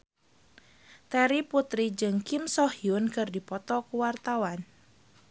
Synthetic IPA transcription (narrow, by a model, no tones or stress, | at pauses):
t̪ɛɾiput̪ɾid͡ʒɨŋkimsɔhiʊnkɨrdipɔt̪ɔkuwart̪awan